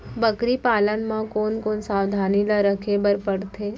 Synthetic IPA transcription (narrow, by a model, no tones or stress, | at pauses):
bəkɾipaːlənmãkoːnkoːnsaːwd̪ʱaːnilaɾəkʰebəɾpəɽt̪ʰeː